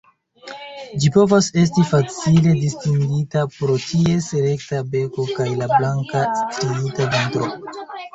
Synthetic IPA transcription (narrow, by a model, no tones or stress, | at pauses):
d͡ʒipo̞vase̞s̬tifat͡sile̞distiŋɡitapɾo̞tʰie̞sele̞ktabe̞ko̞kajlablaŋkastɾiitaventɾo̞̰